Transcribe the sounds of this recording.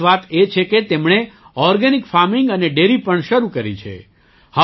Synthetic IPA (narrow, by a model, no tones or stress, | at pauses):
ʋat̪et͡ʃʰeket̪emɳe | ɔɾɡənikfaɾmɪŋɡəneɖeɾipəɳʃəɾukəɾit͡ʃʰḛ | hə